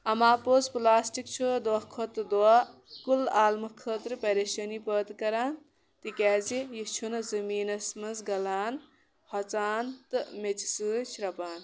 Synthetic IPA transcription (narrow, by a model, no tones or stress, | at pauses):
ɐmaːpoːzplaːsʈikt͡ʃʰud̪ɐkʰot̪ɨd̪oakulaːlmɐkʰəːt̪ɾɨpɐɾeːʃɐnipəːt̪kɐɾaːn | t̪ikɛːzijit͡ʃʰunɐzɐmiːnɐsmɐnzɡɐlaːn | hʰɐt͡saːnt̪ɨmet͡ʃi̥sɨt͡ʃʰɾɐpaːn